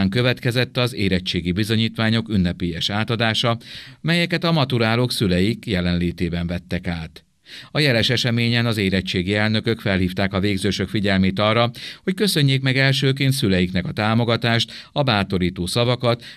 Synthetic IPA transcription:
ŋkø̞vɛt̪kɛzɛt̪ːɒzeːɾɛt͡ʃːeːɡibizo̞ɲiːt̪ʋaːɲo̞kynːɛpeːjɛʃaːt̪ɒd̪aːʃɒmɛjɛkɛt̪ɒmɒt̪uɾaːloksylɛjikjɛlɛnleːt̪eːbɛɱvɛt̪ːɛkaːt̪ | ɒjɛlɛʃɛʃɛmeːɲɛnɒzeːɾɛt͡ʃːeːɡiɛlnø̞kø̞kfɛlhiːft̪aːkɒveːɡzøːʃøkfiɟɛlmeːt̪ɒrːɒho̞ckø̞sø̞ɲːeːkmɛɡɛlʃøːkeːnt̪sylɛjiknɛkɒt̪aːmo̞ɡɒt̪aːʃt̪ɒbaːt̪o̞ɾiːt̪oːsɒvɒkɒt̪

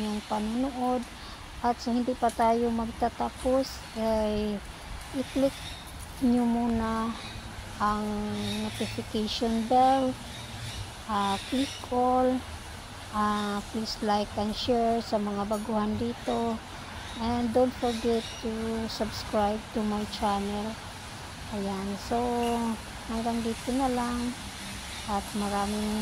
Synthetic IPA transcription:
ɲʊŋpanʊnuʔod̪̚ | ʔat̪sohɪnd̪ipat̪aːjomɐɡ̚t̪at̪apos | kaj | ʔɪklɪk̚ | ɲʊmuna | ʔaŋnot̪ɪfɪkejʃonbɛl | ʔaklɪkol | ʔaplislajkanʃɛɹsɐmɐŋabɐɡuhand̪iːt̪o | ʔɛnd̪ont̪foɹɡɛt̪ːusabskɹajb̚t̪umajt͡ʃanɛl | ʔɐjanso | haŋɡaŋd̪iːt̪onalaŋ | ʔat̪̚mɐɾaːmɪŋ

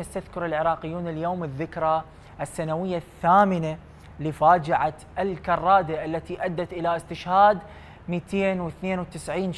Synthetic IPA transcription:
ast̪aðkʊɾɪlʕɪɾˤɑːqɪjːuːnɪljoːmɪðːɪkɾˤɑ | ʔɪsːanawɪjːaθːaːmɪna | lɪfaːd͡ʒɪʕaʔɪlkɑrˤːɑːd̪aʔalːat̪iʔad̪ːat̪ʔɪlaʔɪst̪ɪʃhaːd̪ | miːt̪ʰeːnwɪθneːnwt̪ɪsʕiːn

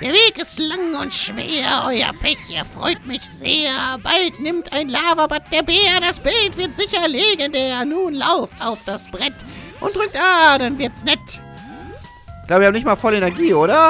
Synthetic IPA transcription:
d̥eːɐveːkɪstlaŋʊntʃv̥ḛːɐʔɔʏɐ̰pʰɛçʔeːɐfʁ̥ɔ̰ʏtmɪçz̥ḛːɐbaltnɪmtʰaɪnlaːvɐbat̚d̥eːɐbeːɐdasb̥ɪltv̥ɪɐtz̥ɪçɐleːɡəndeːɐnuːnla̰ʊftaʊfd̥asb̥ʁɛt | ʔʊ̰ntd̥ʁʏk̚taːd̥anvɪɐtsnɛt | ɡlaːbviːhːmnɪçtmaːlfɔlenɛɐɡiːoːɾɐ

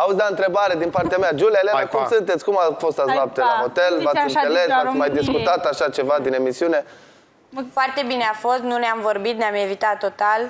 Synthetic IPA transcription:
ausd̪aɨnt̪ɾe̞baɾe̞d̪inpart̪eamead͡ʒuleleekumsɨnt̪e̞t̪sʲkumafo̞st̪azap̚t̪elaɦo̞t̪e̞lvatsʲɨnele̞svasmajd̪iskut̪at̪aʃat͡ʃe̞vad̪ine̞misiune̞ | foart̪e̞bineafo̞st̪nuneamvo̞rbit̪neame̞vit̪at̪ːo̞t̪al

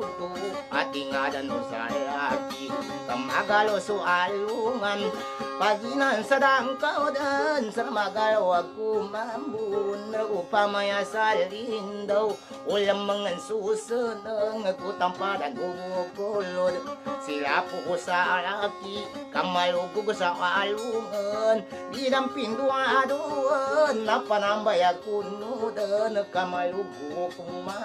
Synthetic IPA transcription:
t̪u | a̰t̪iŋadanṵsa̰aki | ka̰maɡalosualuŋan | paɡinansadaŋkawdansəɾamaɡalowakumambunəupamajasalindəw | uləmːəŋənsusəndəŋəkut̪ampadanɡuɡukolodəsiɾapuɦusaʔaɾaki | kamalukukəsaʔaluŋən | didampinduaduənːapanambajakunudənəkamalukukuma

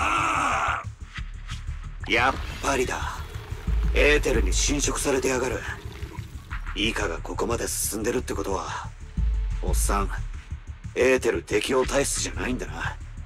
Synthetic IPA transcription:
a | japːaɾʲid̪a | e̞ːt̪e̞ɾɯ̟ɲ̟iɕĩɰ̃ɕo̞kɯ̟̥saɾe̞t̪e̞aɡaɾɯ̟ | iːkaɡakʰo̞ko̞mad̪e̞sɨ̥sɨ̃nd̪e̞ɾɯ̟t̪ːeko̞t̪o̞βa̰ | o̞sːãŋ | e̞ːt̪e̞ɾɯ̟t̪ʰe̞kʲio̞ːt̪aistɨʑanaĩnd̪ana

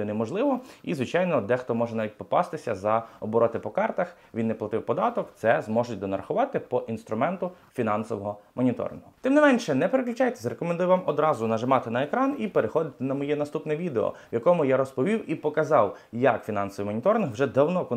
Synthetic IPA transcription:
ɪnɛmɔʒlˠɪʋɔizʋɪt͡ʃɑjnɔd̪ɛxt̪ɔmɔʒɛnɑʋʲit̚ʲpɔpɑ̰st̪ɪsʲɐzɐɔbɔɾʔɔt̪ɪpɔkɑrt̪ɐx | ʋʲinːɛplˠɐt̪ɪwpɔd̪ɑt̪ɔkt̪sɛzmɔʒʊt̚ʲd̪ɔnɐɾɐxʊʋɑt̪ɪpɔʔinst̪ɾʊmɛnt̪ʊ | fʲinɑnsɔʋɔɦɔmɔnʲit̪ɔ̰ɾʲɪ̰nɦʊt̪ɪmnɪmɛnʃɛnɛpeɾeklʲʊt͡ʃɑjt̪ɛzɾekɔmend̪ujʋɑmɔd̪ɾɑzʊnɐʒɪmɑt̪ɪnɐekɾɑnipeɾexɔd̪ɪt̪ɪnɐmɔjɛnɐst̪upnɛʋʲid̪eɔ̰wjɐkɔmʊjaɾɔspɔʋʲiwipɔkɐzɑw | jɐkfʲinɑnsɔʋijmɔnʲit̪ɔɾʲɪnɦwʒɛd̪ɐwnɔkʊ

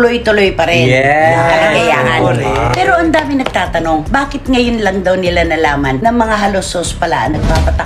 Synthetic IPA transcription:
lojt̪ʊlojpɐɾɛnɛɐɐɐɡɐja̰ːʔɐnpɛːɾo̞ʔɐnd̪aːmɪnɐɡ̚t̪aːt̪ɐno̞ŋbaːkɪt̪̚ŋɐjonlɐŋd̪ɐwnɪlanɐlaːmɐnnɐmɐŋaɦɐlosːoːspɐla̰ʔɐ̰nɐɡ̚paːpɐt̪ɐ

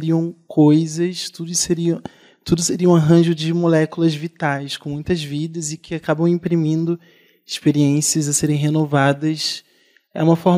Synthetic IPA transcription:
ɾiɐ̃w̃kojzɐst̪ud̪ʊseɾiɐ̃ | t̪ud̪ʊseɾiɐw̃aɦɐ̃ʒʊd͡ʒɪmolɛkulɐzvit̪ajskõmũj̃t̪ɐzvid̪ɐzɪkʰɪakabɐ̃w̃ĩpɾimĩnd̪ʊ | ɪʃpeɾiẽsiɐzaseɾẽj̃ɦenovad̪ɐs | ɛ̰ũmɐfɔɾ

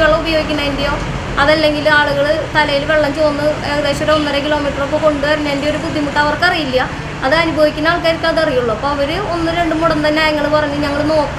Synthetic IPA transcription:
ʋeɭːɐubɐjo̞ːɡikʲːunːɐendejo̞ː | ɐðɐlːe̞ŋɡilaːɭuɣɐɭɨst̪ɐlɐjilʋe̞ɭːɐɲd͡ʑuonːɨeɣɐðe̞ːɕɐɾeonːɐɾɐkilo̞ːmiːʈːɐrokːoːko̞ɳɖuʋɐɾinːɐendeoɾubud̪ʱːjimuʈːɐɐʋɐrkːɐrijilːiɐ | ɐðɨɐnubʱɐʋikʲːunːaːɭk̬ːaɾikʲːaːðɐrijuɭːuɐpːoɐʋɐɾɨonːɨɾe̞ɳɖɨmuɽɐnt̪ɐnːeaːjɐŋːɐɭɨpɐrɐɲːuɲɐŋːɐɭno̞ːkː

